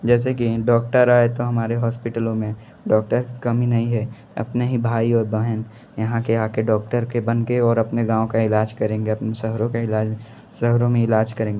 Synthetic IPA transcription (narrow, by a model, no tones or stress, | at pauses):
d͡ʒɛːs̬ekiɖɔːk̚ʈəɾaːet̪oɦɐmaːɾeɦɔːspɪʈəlõmẽ | ɖɔːk̚ʈəɾkɐminɐɦĩɦɛ | ɐ̰pneɦibʱaːiɔːɾbɛɦən | jɐɦãkeaːkeɖɔːk̚ʈəɾkebɐnkeɔːɾɐpneɡãːõkaɪlaːd͡ʒkɐɾẽːŋɡeɐpnesəɦɾõkaɪlaːd͡ʒ | səɦɾõmẽɪlaːd͡ʒkɐɾẽːŋɡe